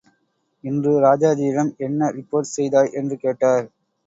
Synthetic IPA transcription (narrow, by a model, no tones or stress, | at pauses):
ɪndrɯɾaːd͡ʒaːðiːɾɐmɛnːɐɾɪpːoːɾʈsɛjðaːɭʔɛndrɯkeːʈːaːɾ